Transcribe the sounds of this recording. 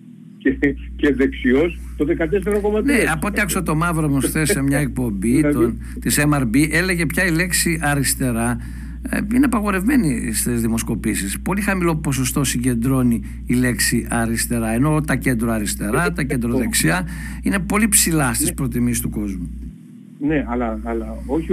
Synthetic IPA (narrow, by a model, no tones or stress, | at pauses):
ceceðeksio̞st̪oðekɐt̪esθeɾokomɐneɐpo̞t̪iɐksot̪o̞mɐvɾomosθesemɲɐek̚po̞mbit̪on | t̪isemɐɾbiʔe̞le̞ʝe̞pçɐile̞ksiɐɾist̪e̞ɾɐ̰ | ineɐpɐɣo̞ɾe̞vme̞nist̪ezðimo̞sko̞pisispo̞lixɐmilo̞po̞so̞st̪o̞siɲɟe̞nd̪ɾo̞niː | le̞ksiʔɐɾist̪e̞ɾɐe̞no̞t̪ɐce̞nd̪ɾoɐɾist̪e̞ɾɐt̪ɐce̞nd̪ɾoðeksiɐine̞po̞lipsilɐst̪ispɾo̞t̪imist̪uko̞zmu | neɐlɐɐlɐo